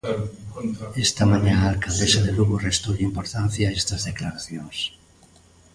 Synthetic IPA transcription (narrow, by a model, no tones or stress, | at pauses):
est̪amãɲãalkald̪esaðeluɣorest̪oʎaimpoɾt̪an̟θjaest̪azðeklaɾaθjoŋs